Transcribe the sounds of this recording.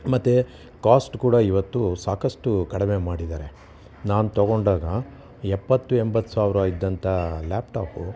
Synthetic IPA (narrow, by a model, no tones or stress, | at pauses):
mɐt̪ːe | kaːsʈkuːɽɐiʋɐt̪ːusaːkɐsʈukɐɽime̞maːɽid̪aːɾe̞ | naːnut̪ɐɡo̞ɳɖaːɡɐ | ɛpːɐt̪ːuembɐt̪ːu̥saːʋɾɐid̪ːɐnt̪ʰɐlaːpʈaːpu